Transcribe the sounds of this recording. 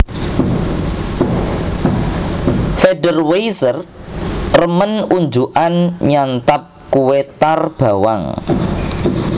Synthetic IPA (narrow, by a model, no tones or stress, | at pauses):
feɖərwejsər | rəmənuɲd͡ʒuʔanɲant̪ap̚kuwet̪arb̥a̤wa̰ŋ